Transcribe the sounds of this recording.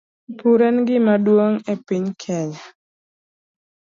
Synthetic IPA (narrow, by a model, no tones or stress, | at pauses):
puɾɛnɡɪmadwoŋepiɲkʰɛɲa